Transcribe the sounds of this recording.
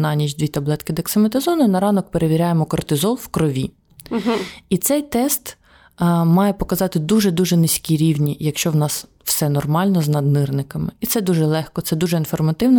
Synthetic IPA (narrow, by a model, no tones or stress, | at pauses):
nɑnʲit͡ʃʲd̪ʋʲit̪ɐblˠɛt̪kɪd̪ɐksɪmet̪ɪzɔnʊnɐɾɑnɔk̚peɾeʋʲiɾʲajemɔkɔrt̪ɪzɔlˠwkɾɔʋʲi | it̪sɛjt̪ɛst̪ː | mɑjɛpɔkɐzɑt̪ɪd̪uʒɛd̪uʒɛnɪsʲkʲiɾʲiwnʲijɐkʃt͡ʃɔwnɑs | w̥sɛnɔrmɑlʲnɔznɐd̪nɪrnɪkɐmɪit̪sɛd̪uʒɛlˠɛxkɔt̪sɛd̪uʒɛinfɔrmɐt̪ɪwnɔ